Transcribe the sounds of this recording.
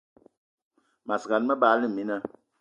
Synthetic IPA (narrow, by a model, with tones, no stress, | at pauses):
ma˨sɡa˨nmə˦baː˨˦li˦˨mi˦na˦